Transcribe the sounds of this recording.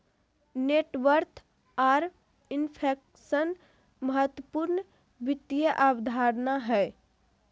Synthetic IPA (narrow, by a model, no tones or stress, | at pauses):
neʈʋəɾt̪ʰ | aɾ | inpʰek | sən | məɦət̪wəpuɾn | bit̪ːijəʔabd̪ʱaɾnaɦəɪ